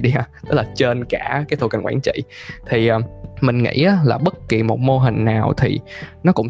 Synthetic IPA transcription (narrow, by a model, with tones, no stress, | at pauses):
ɗi˧a˧t̪ɨ˦˥k̚laː˨˩t͡ɕe˧nkaː˧˩kaː˨˦t̪ʰo˨˧˩ka˨˩ŋxwa̰ː˧˩nt͡ɕḭ˧˨t̪ʰi˨˩ʔaː˨˩mï˨˩ŋ̟ŋḭ˧˥ʔaː˨˦laː˨˩ɓə˦˥t̚ki˨˩mo˨˩t̚mo˧ɦï˨˩ŋ̟naː˨˩wt̪ʰḭ˨˩nɔ˨˦kʊ̰˧˥ŋ͡m